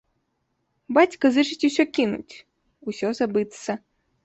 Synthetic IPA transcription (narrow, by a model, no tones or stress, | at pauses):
bat͡sʲkɐzɨt͡ʂɨt͡sʲusʲɔkʲinṵt͡sʲ | usʲɔzabɨt̪sɐ